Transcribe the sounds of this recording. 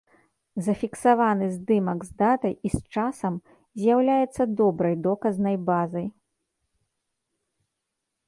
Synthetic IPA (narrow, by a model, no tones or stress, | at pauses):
zɐfʲiksavanɨzd̪ɨmɐɡzd̪at̪ɐjist͡ʂasɐm | zʲjawlʲajɛt̪sːɐd̪ɔbɾɐjd̪ɔkɐznɐjbazɐj